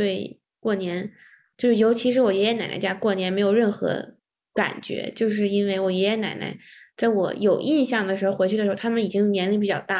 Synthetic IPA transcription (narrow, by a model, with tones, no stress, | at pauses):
t̪we˥˩ɪ | kwɔ˥˩njɛ˧˥n | t͡ɕjo˥˧ʊʂɻ̩˥˩jo˧˥ʊt͡ɕʰi˧˥ʂɻ̩˧˥wɔ˨˩jɛ˧˥jɛ˧˥na˨˩ɪn̰˧˥t͡ɕja˥kwɔ˥˩njɛ˧˥nme˧˥ɪjo˨˩ʊɻə˥˩nxɤ̰˧˥ | ka̰˨˩nt͡ɕɥɛ̰˧˥t͡ɕjo˥˧ʊʂ̬ɻ̩˥˧i˥nwe˥˩ɪwɔ˨˩jɛ˧˥jɛ˧˥na̰˨˩ɪna̰˧˥ɪt͡sa˥˩ɪwɔ̰˧˩˥jo˨˩ʊʔi˥˧nɕjɑ˥˩ŋd̪ə˩ʂɻ̩˧˥xo˧ʊxe˧˥ɪt͡ɕy˥˩ə˩ɻ̩ʰ˧˥˧a˥mə˨ni˨˩t͡ɕi˥ŋjo˧˩njɛ˧˥nli˥˩p̬i˨˩t͡ɕjɑ˥˧ʊt̪a˥˩